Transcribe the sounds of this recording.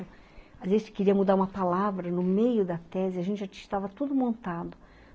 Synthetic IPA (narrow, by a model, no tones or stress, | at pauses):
ʊ | azvezɪskeɾiɐmud̪aɾũmɐpalavɾɐnʊmejʊd̪ɐt̪ɛzɪaɐʒẽnt͡ʃɪʒast̪avɐt̪ud̪ʊmõnt̪ad̪ʊ